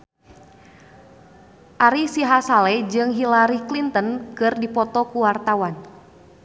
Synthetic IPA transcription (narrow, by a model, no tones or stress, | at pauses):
ʔaɾisiɦasalɛd͡ʒɨŋɦilaɾiklint̪ənkɨrdipɔt̪ɔkuwart̪awan